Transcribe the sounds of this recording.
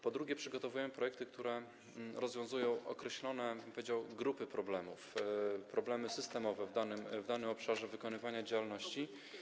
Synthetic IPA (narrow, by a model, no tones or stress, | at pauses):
pɔd̪ɾuɡʲɛpʂɘɡɔt̪ɔvujɛmpɾɔjɛk̚t̪ɘk̚t̪uɾɛ | ɾɔzvʲjɔ̃w̃zujɔ̃w̃ʔɔ̰kɾɛɕlɔnɛbɘmpɔvʲjed͡ʑawɡɾupɘpɾɔblɛmṵfpɾɔblɛmɘsɘst̪ɛmɔvɛvd̪anɘmvd̪anɘmɔpʂaʐɛvɘkɔnɘvaɲad͡ʑawalnɔɕt͡ɕi